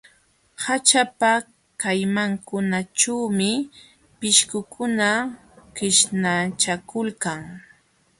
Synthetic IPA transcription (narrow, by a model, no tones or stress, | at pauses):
hat͡ʃapa | kajmaŋkʊnat͡ʃawmɪ | pɪʃkʊkʰʊna | kɪʃnat͡ʃakʊlkaŋ